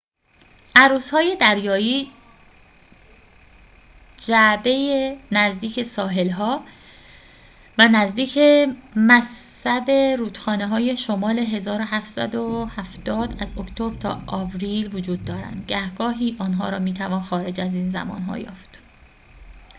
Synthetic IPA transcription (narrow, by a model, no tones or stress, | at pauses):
ʔæɾuːshɒːje̞d̪æɾjɒːjiː | d͡ʒæbe̞jenæzd̪iːcʰe̞sɒːɦe̞lɦɒː | vænæzd̪iːcʰemæsːæb̪e̞ɾuːt̪xɒːneɦɒːjeʃomɒːle̞ɦe̞zɒːɾoɦæft̪sæ̰d̪ohæft̪ɒːd̪æzokʰt̪ʰobɾt̪ʰɒ̰ːɒːvɾiːlvod͡ʒuːd̪̚ːɒːɾæ̰nd̪ɟæhɡɒːɦiːʔɒːnɦɒ̰ːɾɒ̰ːmiːt̪ʰævɒːnxɒːɾe̞d͡ʒæziːnzæ̰mɒ̰ːnɦɒ̰ːjɒ̰ːft̪